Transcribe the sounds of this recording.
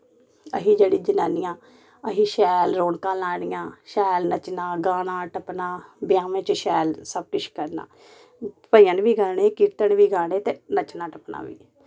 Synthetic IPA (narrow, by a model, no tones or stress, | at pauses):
əɦiːd͡ʒeːɽiːd͡ʒɪnaːnɪjãː | əɦiːʃɛːlɾoːɳkãːlaːɳɪjãːʃɛːlnət͡ʃnãːɡaːɽãːʈəpnaːbɪjãːʋẽːt͡ʃəʃɛːlsəb̚kʊʃkəɾna̰ː | pəɪjãːnʋiːɡaːɳeːkiːt̪ənʋiːɡaːɽeːt̪eːnət͡ʃnãːʈəpna̰ːʋḭː